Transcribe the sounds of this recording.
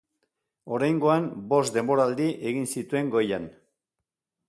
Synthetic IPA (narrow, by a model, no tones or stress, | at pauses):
o̞ɾajŋɡo̞anbo̞sd̪e̞mbo̞ɾaːld̪iʔe̞ɣinsit̪ue̞ŋɡo̞jan